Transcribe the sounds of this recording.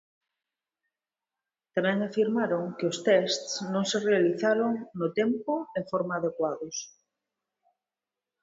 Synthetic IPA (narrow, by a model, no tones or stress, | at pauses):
t̪amɛ̃ŋafiɾmaɾoŋkeost̪ɛst̪snõŋserealiθaɾoŋnot̪empoeŋfoɾmaːðekwaðos